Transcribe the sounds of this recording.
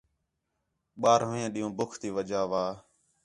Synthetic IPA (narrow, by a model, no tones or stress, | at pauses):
ɓaːɾʋẽːɗĩːũːbʊkʰt̪iːʋəd͡ʒaːʋaː